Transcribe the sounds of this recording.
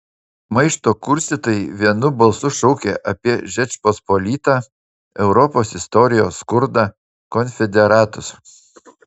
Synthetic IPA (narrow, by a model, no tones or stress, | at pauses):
mɐɪʃt̪oːkʊɾʲsʲt̪ʲiːt̪oːjɪʋʲiɛnʊbɐlˠsʊʃɔʊkʲeːʔɐpʲiɛʒʲɛt͡ʃʲpospɔlʲiːt̪ɑː | ɛʊɾɔpoːsɪst̪ɔɾʲɪjoːskʊɾd̪ɑː | kɔnʲfʲɛd̪ʲɛɾɑːt̪ʊs